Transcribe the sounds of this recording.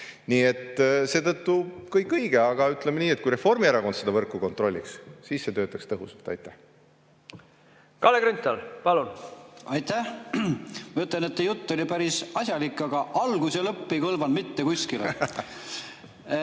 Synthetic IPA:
niːe̞t̪ːse̞ːt̪ɤt̪ːukɤjkːˑɤjɡ̥eɑɡ̥ɑyt̪ˑlemeniːet̪̚kujɾe̞fo̞rmieɾɑko̞nd̪sed̪ɑvɤrkːˑuko̞nt̪ro̞lʲːḭkssiːsse̞t̪ø̞ːt̪ːˑɑkst̪ɤɦusɑlt̪ˑɑ̰jt̪ːˑæh | kɑleɡɾynt̪ːˑɑlpɑlunɑjt̪ːæh | mɑyt̪ˑlenet̪ːejut̪ˑːo̞lʲipæɾisɑsʲjɑlikːˑɑɡɑʔɑlɡ̥uselɤpːejkɤlvɑnmit̪ːekusʲkile

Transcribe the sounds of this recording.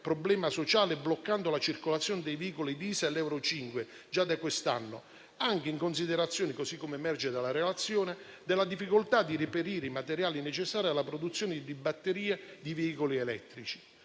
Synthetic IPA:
pɾɔblɛːmasot͡ʃaːleblokːand̪olat͡ʃirkolat̪sːjoːnɪd̪ɛjveiːkolid̪iːsalɛwɾot͡ʃiŋkwe | d͡ʒad̪akwest̪anːo | aŋk̟eiŋkons̬id̪eɾat̪sːjoːnɪkosikːomemɛrd͡ʒed̪alːaɾelat̪sːjoːne | d̪ɪlːad̪ifːikʊlt̪ad̪ːiɾipeɾiːɾeimat̪eɾjaːlinet͡ʃesːaːɾialːapɾod̪ut̪sːjoːnɪd̪id̪ibːat̪ːeɾiːed̪iveiːkolielɛ̰t̪ːɾit͡ʃi̥

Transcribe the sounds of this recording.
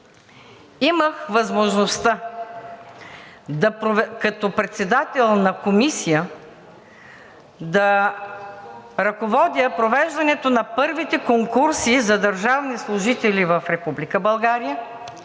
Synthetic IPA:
iməxvɐzmoʒnost̪a | d̪ɐpɾkɐt̪opɾɛt̪sɛd̪at̪ɛlˠnɐkomisijə | d̪ɐ | ɾɐkovɔd̪ʲjəpɾovɛʒd̪ɐnɛt̪onɐpɤɾvit̪ɛkoŋkuɾsizɐd̪ɐɾʒavnislˠʊʒit̪ɛlʲivəfɾɛpublikəbɐlˠɡaɾijə

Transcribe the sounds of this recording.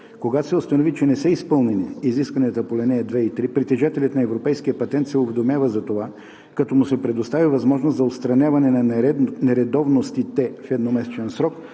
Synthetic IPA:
koɡat̪o̥sɛʊst̪ɐnovit͡ʃɛnɛsɛispɤlˠnɛniːziskvɐniət̪əpolɛnɛɛd̪vɛit̪ɾipɾit̪ɛʒat̪ɛlʲət̪nɐɛvɾopɛjskijəpɐt̪ɛnt̪sɛʊvɛd̪omjavəzɐt̪ova | kɐt̪ɔmʊsɛpɾɛd̪ost̪avivɐzmɔʒnost̪zɐot̪st̪ɾɐnʲjavɐnɛnɐnɛɾɛd̪ɔvnost̪it̪ɛfɛd̪nomɛsɛt͡ʃɛnsɾɔk

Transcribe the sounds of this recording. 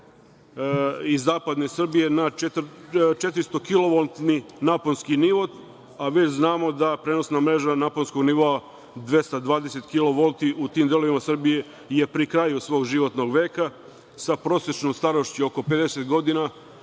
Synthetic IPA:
izːaːpad̪nesr̩bije̞nat͡ʃet̪t͡ʃet̪ɾist̪o̞kilo̞ʋolt̪ninaponskiniʋo̞d̪ | aʋe̞t͡ɕznaːmo̞d̪apɾeːno̞snamɾe̞ːʒanaponsko̞ɡniʋoa | d̪ʋe̞st̪ad̪ʋaːd̪ese̞t̪kilo̞ʋolt̪iut̪iːmd̪elo̞ʋimasr̩bije̞ | je̞pɾikɾajusʋo̞ːɡʒiʋo̞t̪no̞ɡʋe̞ːka | sapɾo̞ːsjet͡ʃnomst̪aɾoʃt͡ɕio̞ko̞pe̞d̪e̞set̪ɡo̞d̪ina

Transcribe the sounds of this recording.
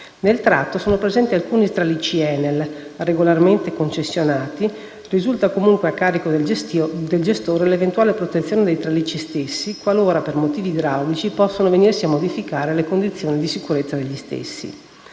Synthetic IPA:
nelt̪ɾat̪ːosoːnopɾezɛnt̪ialkuːnit̪ɾalit͡ʃiɛnːelreɡolarment̪ekont͡ʃesːjonaːt̪i | rizult̪akomuŋkweakːaːɾikod̪d̪eld͡ʒest̪oːɾelevent̪uaːlepɾot̪et̪sːjoːned̪ejt̪ɾalit͡ʃist̪esːikwaloːɾapermot̪iːvid̪ɾawlit͡ʃipɔsːonovenirsiamːod̪ifikaːɾelekond̪it̪sːjoːnid̪isikuɾet̪sːad̪eʎːist̪ḛsːḭ

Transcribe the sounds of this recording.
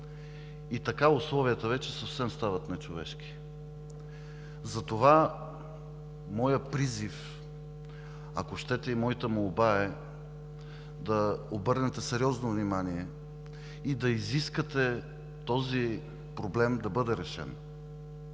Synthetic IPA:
it̪ɐkaʊslˠɔviət̪əvɛt͡ʃɛsəfsɛmst̪avət̪nɛt͡ʃovɛʃki̥ | zɐt̪ova | mɔjəpɾizif | a̰koʃt̪ɛt̪ɛimɔit̪əmolˠbaɛ | d̪ɐobɤɾnɛt̪ɛsɛɾiɔznovnimaniɛ | id̪ɐiziskət̪ɛ | t̪ɔzi | pɾoblɛmd̪ɐbɤd̪ɛɾɛʃɛ̰n

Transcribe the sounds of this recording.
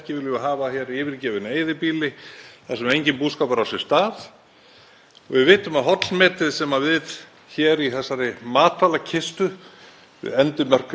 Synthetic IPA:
cɪvɪlʏaɦaːvaçɛːɾiɪːvɪɾcɛːvɪneːjðɪpiːlɪθasɛmɛɾejɲcɪnpuːskapaɾawsɛst̪aːθ | ɔɣvɪðvɪːt̪ʏmaðɦɔt̪lmɛːt̪ɪðsɛmavɪð | çɛːɾiθɛsːaɾɪmaːt̪ʰaːlacʰɪst̪ʏ | ɪ̰ðɛnt̪ʏmœr̥k

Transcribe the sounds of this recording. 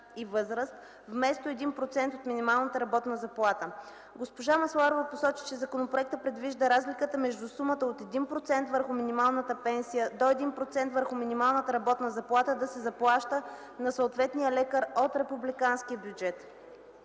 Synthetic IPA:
ivɤzɾəst̪ | vmɛst̪oɛd̪inpɾot̪sɛnt̪ot̪minimalˠnət̪əɾɐbɔt̪nəzɐplˠat̪ə | ɡospoʒamɐslˠaɾovɐposɔt͡ʃi̥t͡ʃɛzɐkonopɾoɛk̚t̪əpɾɛd̪viʒd̪əɾazlikət̪əmɛʒd̪usumət̪əot̪ɛd̪inpɾot̪sɛnt̪vəɾxʊminimalˠnət̪əpɛnsijəd̪oɛd̪inpɾot̪sɛnt̪vəɾxʊminimalˠnət̪əɾɐbɔt̪nəzɐplˠat̪əd̪ɐsɛzɐplˠaʃt̪ə | nɐsoːt̪vɛt̪nijəlɛkəɾot̪ɾɛpublikansk̟ijəbjud͡ʒɛt̪

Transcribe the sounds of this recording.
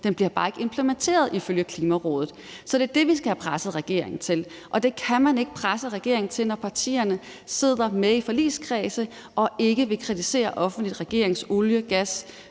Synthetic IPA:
d̥enb̥liɐb̥ɑ̈ːe̝ɡ̥əe̝mpʰləment͡sʰe̝̰ːɐð̞̩ˠiføljəkʰliːmæʁɔ̰ːð̞ˠð̩ˠ | sɒ̽d̥e̝d̥e̝ʋisɡ̥æhæpʰʁasð̩ˠʁɛɡ̥e̝̰ɐ̰eŋn̩t͡sʰe̝l | ʔɒ̽d̥e̝kʰæmæne̝ɡ̥̚pʰʁasəʁaɡ̥e̝ɐ̰eŋn̩t͡sʰe̝lnɒpʰɑ̈t͡sʰḭːɐnə | se̝ð̞̰ˠɐmeifɒ̽lḭːskʰʁɛːsə | ɒ̽e̝ɡ̥əʋe̝kʰʁidise̝̰ːɐʔɒ̽fn̩dlid̥ʁɛɡ̥e̝̰ɐ̰e̝ŋsoljəɡ̥æs

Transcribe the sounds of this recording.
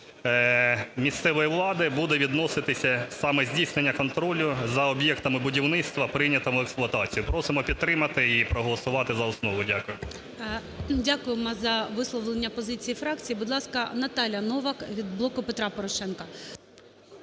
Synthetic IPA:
mʲist̪sɛʋɔjɛʋlˠɑd̪ɪbud̪ɛʋʲid̪nɔsɪt̪ɪsʲɐsɑmɛzʲdʲijsnenʲːɐkɔnt̪ɾɔlʲʊzɐɔbʲjɛkt̪ɐmɪbʊdʲiwnɪt̪st̪ʋɐpɾɪnʲɐt̪ɔmʊɛksplˠʊɐt̪ɑt͡sʲijʊpɾɔsɪmɔpʲid̪̚t̪ːɾɪmɐt̪ɪipɾɔɦɔlˠɔsʊʋɑt̪ɪzɐɔsnɔʋʊdʲakʊjʊ | dʲakʊjɪmɔzɐʋɪslˠɔʋlˠenʲːɐpɔzɪt͡sʲijifɾɑk̚t͡sʲijibʊd̪lˠɑskɐnɐt̪ɑlʲjɐnɔʋɐkʋʲid̪blˠɔkʊpet̪ɾɑpɔɾɔʃɛnkɐ

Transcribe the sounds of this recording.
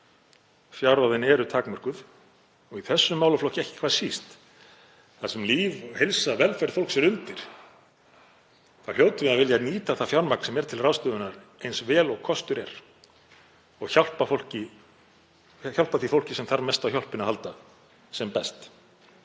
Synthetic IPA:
fjawɾawðɪnɛɾʏt̪ʰaːkmœr̥kʏð | ɔɣiθɛsːʏmawlʏflɔhcɪɛhcɪ̥kʰvḁsist̪ | θasɛmliːvɔhelsavɛlfɛɾ̥fowl̥ksɛɾʏnt̪ɪɾ̥ | θal̥joːwt̪ʏmɪðaðvɪljaniːt̪aθafjawɾmakn̥sɛmɛɾ̥t̪ʰɪlrawst̪œːðʏnaɾ | ejnsvɛːlɔɣkʰɔst̪ʏɾɛɾ | ɔɣçawl̥pafol̥cɪ | çawl̥paθifowl̥cɪsɛmθaɾmɛst̪awçjawl̥pɪnahalt̪a | sɛmpɛst̪

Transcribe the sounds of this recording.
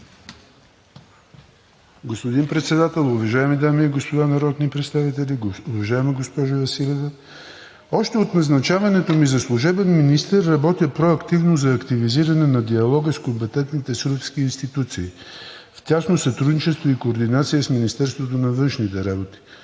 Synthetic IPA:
ɡospod̪inpɾɛt̪sɛd̪at̪ɛlˠʊvɐʒaɛmid̪amiɛɡospod̪anɐɾɔt̪nipɾɛt̪st̪avit̪ɛlʲiʊvɐʒaɛmiɡospɔʒʊvɐsilʲivə | ɔʃt̪ɛot̪nɐznɐt͡ʃavɐnɛt̪omizɐslˠuʒɛbɛnminist̪ɛrːɐbɔt̪jəpɾoɐkt̪ivnozɐːkt̪iviziɾɐnɛnɐd̪iɐlˠɔɡəskompɛt̪ɛnt̪nit̪ɛsuɾpskiːnst̪it̪ut̪siː | ft̪ʲasnosɐt̪ɾud̪nit͡ʃɛst̪voikoːɾd̪inat̪sijəsminist̪ɛɾst̪vot̪̬onɐvɤnʃnit̪ɛɾabot̪i̥

